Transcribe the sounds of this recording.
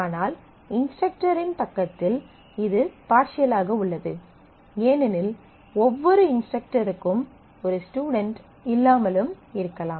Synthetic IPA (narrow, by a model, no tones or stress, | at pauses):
aːnaːl | ɪnspɛk̚ʈɐɾɪnpɐkːɐt̪ːɪl | ɪðɯpaːʈt͡ʃɪjɐlaːɣɐʊɭːɐðɯ | jeːnɐnɪl | ɔʋːɔɾɯɪnspɛk̚ʈɐɾɯkːɯm | ɔɾɯsʈuːɽɐɳʈ | ɪlːaːmɐlɯm | ɪɾɯkːɐlaːm